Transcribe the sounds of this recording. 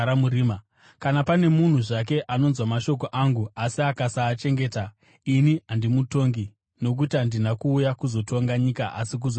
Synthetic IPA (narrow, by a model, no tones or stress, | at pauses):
ɾamuɾiːma | kanapane̞mun̤uʐak̬e̞ʔano̞nzwamaʃo̞koʔaŋɡuasiakasaːt͡ʃe̞ŋɡe̞ːta | iniɦandimuto̞ŋɡi | no̞k̬utiɦandinakuːjakuzo̞tʰo̞ŋɡaɲikaʔa̰sik̬uz